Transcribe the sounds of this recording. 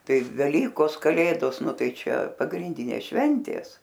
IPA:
ˈtɐɪ ʋʲɛˈlʲiːkoːs kɐˈlʲeːdoːs ˈnʊ ˈtɐɪ ˈt͡ʃʲɛ pɐɡrʲɪnʲˈdʲiːnʲeːs ʃʲʋʲɛnʲtʲeːs

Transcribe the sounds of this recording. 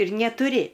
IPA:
ɪr nʲɛtʊˈrʲɪ

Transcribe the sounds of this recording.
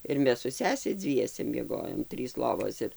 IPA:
ɪr ˈmʲɛs sʊ ˈsʲæːsʲɛ ˈd͡zʲʋʲiɛsʲɛ mʲiɛˈɡoːjoːm ˈtʲrʲiːs ˈlˠoːʋoːs ɪr

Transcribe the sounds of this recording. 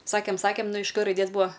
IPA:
ˈsɑːkʲeːm ˈsɑːkʲeːm ˈnʊ ɪʃ k rɐɪˈdʲeːs ˈbʊɐ

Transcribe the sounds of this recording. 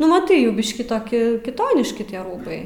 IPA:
nʊ mɐˈtɐɪ ˈjɛʊ ˈbʲɪʃʲkʲiː toːˈkʲɪ kʲɪˈtoːnʲɪʃʲkʲɪ tʲiɛ ˈruːbɐɪ

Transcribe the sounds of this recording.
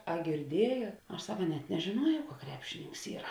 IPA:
ɐ ɡʲɪrʲˈdʲiɛjoːt ˈɐʃ ˈsɑːkɐ nʲɛt nʲɛʒʲeːˈnuɔjɛʊ kɐ ˈkrʲæːpʲʃʲɪnʲɪŋks ˈiːrɐ

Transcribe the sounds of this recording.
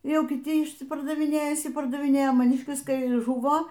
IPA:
ˈjɛʊ kʲɪˈtʲɪ ɪʃʲsʲɪpɐrdɐʋʲɪˈnʲeːjɛ ɪʃʲsʲɪpɐrdɐʋʲɪˈnʲeːjɛ mɐˈnʲɪʃʲkʲɪs ˈkɐɪ ˈʒʊʋoː

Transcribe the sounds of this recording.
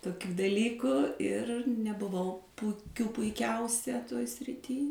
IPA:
toːˈkʲuː dɐˈlʲiːkʊ ɪr nʲɛbʊˈʋɐʊ pʊˈkʲuː pʊɪˈkʲɛʊsʲɛ toːj sʲrʲɪˈtʲiː

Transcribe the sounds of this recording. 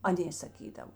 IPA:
ɐˈnʲeː sɐˈkʲiːdɐw

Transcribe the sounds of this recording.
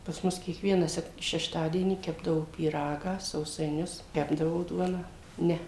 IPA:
pɐs ˈmʊs kʲiɛkˈʋʲiɛnɑː ˈsʲɛk ʃʲɛʃˈtɑːdʲiɛnʲiː ˈkʲæːbdɐʋoː pʲiːˈrɑːɡɑː sɐʊsɐɪˈnʲʊs ˈkʲæːbdɐʋoː ˈduɔnɑː ˈnʲɛ

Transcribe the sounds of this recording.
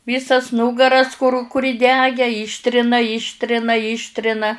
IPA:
ˈʋʲiːsɐs ˈnuːɡɐrɐs kʊr ˈkʊr iːˈdʲæːɡʲæː ˈiːʃʲtʲrʲɪnɐ ˈiːʃʲtʲrʲɪnɐ ˈiːʃʲtʲrʲɪnɐ

